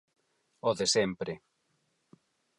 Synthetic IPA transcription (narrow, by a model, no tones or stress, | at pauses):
oðesɛmpɾe